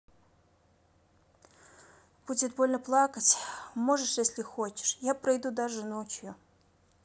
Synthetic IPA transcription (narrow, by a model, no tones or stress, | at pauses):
b̥utʲɪd̪bolʲnəplˠakətʲmoʐɨʂjesʲlʲɪxot͡ɕɪ̥ʂjapɾɐjd̪ud̪aʐɨnot͡ɕjʊ